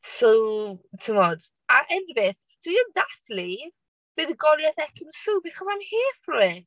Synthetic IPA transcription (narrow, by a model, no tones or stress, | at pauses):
sowtʰumɔd̥ | aʔɛnvɪθ | d̥wiəndaθli | b̥eːðəɡɔljɛθɛkʰɪnsuːbɪkʰɔzajmheːfrʊɨ